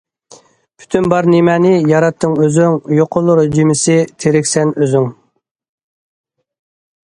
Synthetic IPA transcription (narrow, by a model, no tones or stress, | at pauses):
pʰy̥t̪ʰynbɑɾnemɛnɪjɑɾɑt̪ʰːɨŋøzyŋjoqʰʊlˠːʊɾd͡ʒimɪsɪt̪ʰeɾɪkʲsɛnøzyŋ